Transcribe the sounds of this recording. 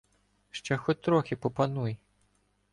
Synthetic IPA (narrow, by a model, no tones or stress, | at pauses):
ʃt͡ʃɛxɔt̚ʲt̪ɾɔxʲɪpɔpɐnuj